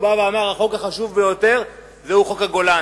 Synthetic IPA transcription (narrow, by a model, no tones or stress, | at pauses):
baveamaʁaχo̞kaχaʃuvbejo̞t̪e̞ʁ | zeuχo̞khaɡo̞la